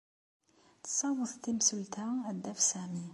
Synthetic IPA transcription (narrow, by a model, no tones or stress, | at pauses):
t̪sˤɑwəθˤt̪imsult̪ææd̪ːæfsæmi